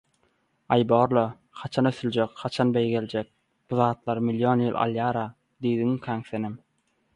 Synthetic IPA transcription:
ɑjboːɾlˠɑ | χɑt͡ʃʰɑnøθylʲd͡ʒekχɑt͡ʃʰɑnbejɡelʲd͡ʒek̚ | b̥uðɑːt̪lˠɑɾmiljonjɯlˠʔɑ̰lˠjɑːɾɑ | d̪iːd̪iŋkʰæŋθenim

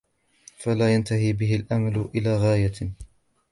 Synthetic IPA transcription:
falaːjant̪aɦiːbɪɦɪlʔamalʊʔɪlaːɣaːja

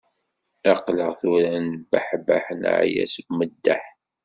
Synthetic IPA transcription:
ɑqləʁθʊɾænbaħba̰ħən̰ʕjæ̰səɡməd̪ːa̰ħ

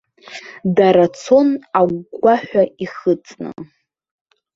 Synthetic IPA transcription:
daɾat͡sʰo̞naɡʷɡʷaħʷᶣaiχɨt͡sʼnɨ̰

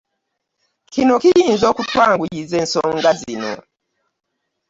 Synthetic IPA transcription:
kʰinokijinzokutwaŋɡuɟizɛn̩sɔŋɡazinɔ̰

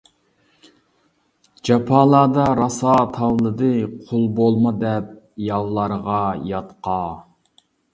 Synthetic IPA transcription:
d͡ʒɑpʰɑlˠɑːd̪ɑɾɑsɑt̪ʰɑwlˠɨd̪ɨqʰolˠbolˠmɑd̪ɛp̚ | jɑllˠɑɾʁɑjɑt̪qɑ

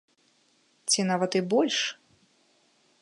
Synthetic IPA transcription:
t͡sʲinavɐt̪ɨbɔlʲʂ

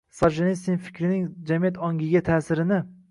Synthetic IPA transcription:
sɑɾʃenist̪infɪ̥kʲʰɾɪnɪŋd͡ʒamijat̪ɒŋɡʲɪɡʲat̪ʰaːsɪɾɪnɪ

